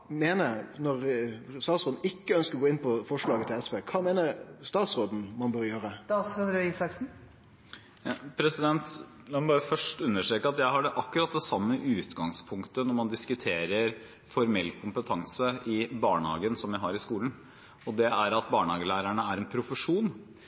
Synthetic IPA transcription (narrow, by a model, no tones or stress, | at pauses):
meːnəɾnɔɾst̪ɑːt̪sɾoːd̪n̩ɪkːəœnskəɾɡoːɪnpʰɔfɔʂɭɑːɡət̪ʰɪlɛspeːkʰɑːmeːnəɾst̪ɑːt̪sɾoːd̪n̩mɑnbøːɾjøːɾəd̪sɑɾʉisɑksn̩ | pʰɾɛsɪd̪ɛnt̪ | lɑmɑbɑːɾəfœʂʈʉnːəʂʈɾeːkəɑt̪jæɪɦɑɖɛʔɑkːʉɾɑt̪̚d̪ɛsɑmːəʔʉːt̪ɡɑŋspʰʊŋkt̪ənɔɾmɑnd̪ɪskʉt̪ʰeːɾəɾ | fɔɾmɛlːkʰʊmpət̪ʰɑŋsəɪbɑːɳəhɑ̰ːɡənsɔmjæɪɦɑɾɪskuːlən̩ | ɔd̪ɛæɾɑt̪̚bɑːɳəɑːɡəlæːɾæɳəæɾɛnpʰɾʊfəʂuːn